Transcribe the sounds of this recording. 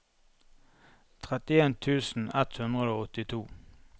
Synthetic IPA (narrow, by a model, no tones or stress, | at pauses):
t̪ʰʁɛt̪ɪeːnt̪ʰʉːsn̩ɛt̪hʉnd̪ʁəoːɔt̪ɪt̪ʰuː